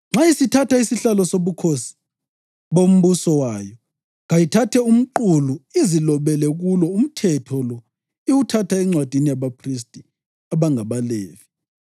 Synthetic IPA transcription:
ŋ͡ǁaisitʰatʰaisiɬalɔsoβukʰosi̥ | βom̩βusɔwaːjɔ | ɣajitʰatʰɛum̩ǃuluizilɔβɛlɛɣulɔum̩tʰɛtʰɔlɔ | iwutʰatʰaɛŋ͡ǀwad̥ʱinijaβapʰris̬tʼi | aβaŋaβaleːvi̥

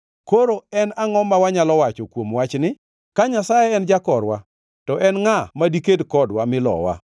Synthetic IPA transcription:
koɾoɛnaŋɔmːawaɲalɔwat͡ʃɔkwomwat͡ʃnɪ | kaɲasajɛɛnd͡ʒakɔɾwa | tɔʔɛnŋamadikedkɔdwamɪlɔ̰wa̰

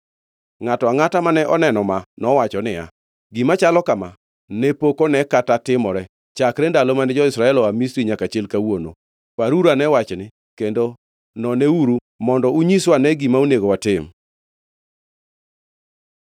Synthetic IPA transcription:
ŋatɔaŋatamanɛʔɔnɛnɔmanɔwat͡ʃɔnɪa̰ | ɡimat͡ʃalɔkama | nɛpokonɛkatatɪmɔɾɛ | t͡ʃakɾɛndalomanɪd͡ʒɔɪsɾaɛlɔamistɾiɲakat͡ʃɪlkawono̰ | paɾuɾanɛwat͡ʃnɪ | kendo | nɔnɛuɾu | mɔndɔuɲiswanɛɡimauneɡowatɪm

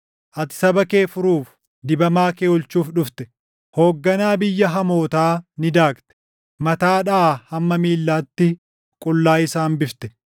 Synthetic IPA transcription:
ʔɐt̪ɪ̥sɐbɐke̞ːfʊɾuːf | d̪ɪbɐmaːkeːʊlt͡ʃuːfᶑʊft̪ɛ̥ | hoːɡːɐnaːbɪjːɐɦɐmo̞ːt̪aːnɪd̪aːkt̪ɛ̥ | mɐt̪aːᶑɐːhɐmːɐmiːlːaːt̪ːɪ | kʼʊlːaːɪsaːmbɪft̪ɛ̥

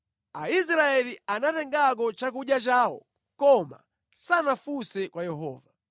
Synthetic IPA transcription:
ais̬ɾaɛlianatɛŋɡak̬ɔt͡ʃak̬uɗjat͡ʃaːwɔ̰ | kɔma̰ | sanafusɛkwajɛɦɔ̰ːva

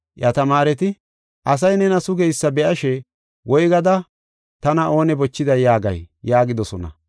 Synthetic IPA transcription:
ʔjɐt̪ɐmaːɾɛt̪ɪ | ʔɐs̬ɐjnɛnɐsʊɡɛjsːɐbɛʔɐʃɛ | wɔjɡɐd̪ɐ | t̪ɐnɐʔo̞ːnɛbɔt͡ʃːɪd̪ɐjaːɡɐ̰jjːaːɡɪd̪ɔsɔnɐ̰

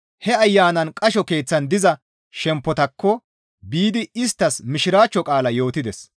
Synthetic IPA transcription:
hɛɐjːaːnɐnkʼɐʃɔke̞ːt͡sːɐnd̪ɪzɐ | ʃɛmpːɔt̪ɐkːɔ | biːd̪ɪɪst̪ːɐsmɪʃɪɾaːt͡ʃːɔkʼaːlɐjo̞ːt̪ɪd̪ɛs

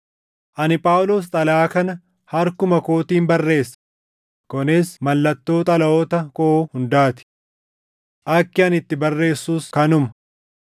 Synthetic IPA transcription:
ʔɐnɪpʼaːwloːs̬t̪ʼɐlɐaːkɐnɐ | hɐɾkʊmɐkoːt̪iːmbɐrːe̞ːsːɐ̥ | kɔnɪsmɐlːɐt̪ːo̞ːt̪ʼɐlɐoːt̪ɐkohʊnd̪aːt̪ɪ̥ | ʔɐkːɪɐnɪt̪ːɪbɐrːe̞ːsːuːskɐnʊmɐ̥

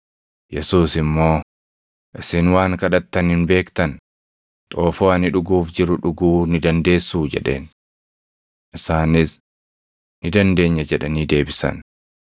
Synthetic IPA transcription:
jɛsuːsɪmːo̞ː | ʔɪsɪnwaːŋkɐᶑɐt̪ːɐnhɪnbe̞ːkt̪ɐn | t̪ʼo̞ːfoːɐnɪᶑʊɡuːfd͡ʒɪɾʊᶑʊɡuːnɪd̪ɐnd̪e̞ːsːuːd͡ʒɛ̰ᶑe̞̰ːn | ʔɪsaːnɪs | nɪd̪ɐnd̪e̞ːɲːɐd͡ʒɛᶑɐniːd̪e̞ːbɪsɐ̰n

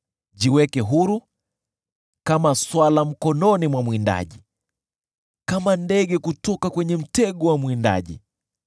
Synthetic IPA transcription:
ʄiwɛkɛɦuɾu | kamaswalam̩kɔnɔnimwamwinda̰ʄi | kamandɛɠɛkutɔkakwɛɲɛm̩tɛɠɔwamwinda̰ʄḭ

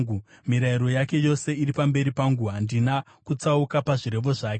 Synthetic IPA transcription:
u | miɾaiɾo̞jake̞jo̞se̞iɾipambe̞ɾipaŋɡuandina | kut͡saukapaʐiɾe̞ʋo̞ʐaːke

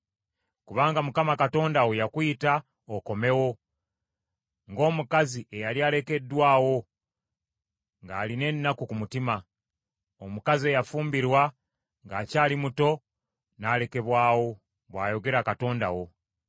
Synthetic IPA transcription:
kuβaːŋɡamukamakato̞ːndawojakwuita | oko̞me̞wo̞ | ŋɡo̞ːmukaziʔe̞jaliaːle̞ke̞dːwaːwo̞ | ŋɡaːline̞nːakukumutima | omukazie̞jafuːmbiɾwa | ŋɡaːcaːlimuto̞ | naːle̞ke̞βwaːwo̞ | βwa̰ːjo̞ɡe̞ɾakato̞ːnda̰wo̞

